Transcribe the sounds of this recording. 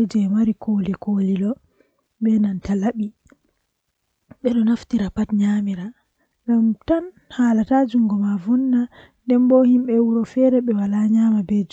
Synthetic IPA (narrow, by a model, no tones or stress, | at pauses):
d͡ʒɛmaɾikʰolikolilɔ | ɓɛnantalaɓi | ɓɛɗɔnaftiɾapatɲamiɾa | ŋɡamtan | halatad͡ʒuŋɡɔmavunːa | ndɛmbɔhimɓɛwuɾɔfɛɾɛɓɛwalaɲamabɛd͡ʒ